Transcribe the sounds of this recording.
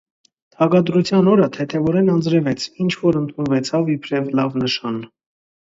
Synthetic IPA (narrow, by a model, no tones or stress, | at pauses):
t̪ʰɑɡɑd̪ɾut͡sʰjɑnɔɾət̪ʰɛt̪ʰɛvɔɾɛnɑnd͡zɾɛvɛt͡sʰint͡ʃʰvɔɾənt̪ʰunvɛt͡sʰɑvipʰɾɛvlɑvnəʃɑn